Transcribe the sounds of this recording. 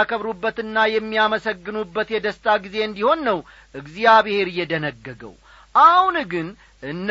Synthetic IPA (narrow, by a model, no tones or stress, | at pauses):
kʰəβɾubːət̪ɨnːajɛmːijaməsəɡːɨnubːət̪jɛd̪əst̪ʰaɡize̞ɨnd̪iho̞nːəw | ʔɨɡzijaβehe̞ɾɨjːɛd̪ənəɡːəɡə̰w | ʔahunɡɨn | ʔɨnː